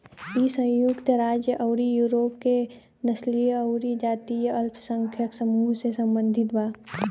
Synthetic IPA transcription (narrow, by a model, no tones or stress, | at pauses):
isə̃jʊkt̪əɾaːd͡ʒjəʔɐʊɾijuːɾoːpke | nəslijɐʊɾid͡ʒaːt̪ijəɐlpʰsə̃ŋkʰjəksəmuːɦsesə̃mbə̃nd̪ʱɪt̪baː